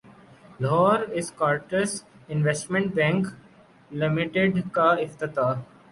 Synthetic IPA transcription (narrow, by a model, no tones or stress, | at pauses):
lɔːɾɪzkɔːɾʈəsɪ̃nʋesʈmẽɳʈ̚bɛ̃ŋk | lɪmɪʈeɖkaɪft̪ɪt̪aː